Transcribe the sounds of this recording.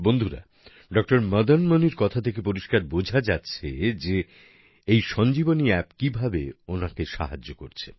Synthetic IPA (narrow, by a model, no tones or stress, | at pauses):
bond̪ʱuɾa̰ | ɖɔk̚ʈoɾmʌd̪ʱənməniɾkɔt̪ʰat̪ʰekepoɾiʃkaɾbod͡ʑʱad͡ʑatːɕʰed͡ʑe | ejʃɔnd͡ʑiboniɛpkibʱabeonakeʃa̰ɦad͡ʑːokoɾt͡ɕʰe